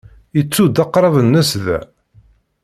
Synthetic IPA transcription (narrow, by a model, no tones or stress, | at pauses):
jət͡sːud̪ɑqːɾˤɑvənːəsðæ̰